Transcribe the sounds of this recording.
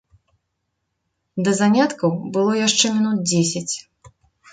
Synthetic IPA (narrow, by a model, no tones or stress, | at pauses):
d̪ɐzanʲat̪kɐwbɨlˠɔjaʂt͡ʂɛmʲinut̪̚d͡zʲesʲɐt͡sʲ